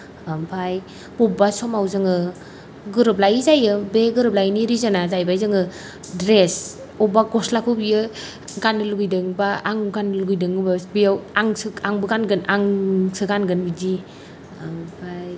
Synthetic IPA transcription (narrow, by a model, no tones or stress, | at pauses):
ampʰaj | bɔbasɔmawzɯŋɯ | ɡɯɾɯplajzajɯbeɡɯɾɯp̚lajniɾizanazajbajzɯŋɯ | dɾes | ɔbaɡɔslakʰubijɯ | ɡanɯluɡɯjdɯŋbaaŋɡanluɡɯjdɯŋɯbabijawaŋsɯaŋbɯɡanɡɯnaŋsɯɡanɡɯnbidi | ampʰaj